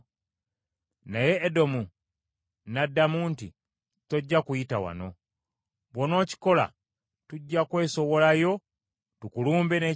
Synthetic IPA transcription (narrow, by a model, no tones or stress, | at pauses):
naje̞ːdo̞mu | nadːamuːnti | to̞ɟːakujitawa̰no̞̰ | βwono̞ːci̥ko̞la̰ | tuɟːakwe̞ːso̞βo̞lajo̞ | tukuluːmbene